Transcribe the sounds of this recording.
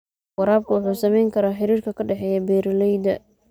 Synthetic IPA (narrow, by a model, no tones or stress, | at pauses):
wɐɾaːb̚kʰɐwʊħuːsɐmɛjŋkʰɐɾaːħɪɾiːrkʰɐkʰɐɖɛħɛːjɛbɛːɾɐlɛjd̪ɐ